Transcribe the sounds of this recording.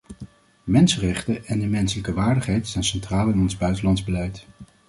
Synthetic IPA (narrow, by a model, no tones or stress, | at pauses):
mɛnsərɛχtəʔɛndəmɛnsələkəʋaːɹdəχɦɛjtsɛjnsɛntraːlˠɪnɔnzbœɥtəlɑndzbəlɛjt